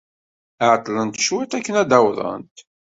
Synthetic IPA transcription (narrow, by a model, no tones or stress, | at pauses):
ʕt̪ˤːlənt̪ə̥ʃwæt̪ækːənæd̪æwðˤə̰nt̪